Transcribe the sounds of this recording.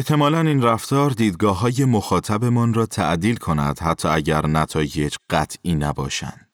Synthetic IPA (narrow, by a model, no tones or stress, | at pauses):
eht̪ʰe̞mɒːlæniːnræft̪ɒːɾd̪iːd̪̚ɡɒːɦɒːje̞moxɒːt̪ʰæbe̞mɒːnrɒːt̪ʰæʔd̪iːlkʰo̞næ̰d̪̥hæt̪ʰːɒːæɟæɾnæt̪ʰɒːje̞d͡ʒɢ̥æt̪ʰʔiːnæbɒːʃæ̰nd̪̥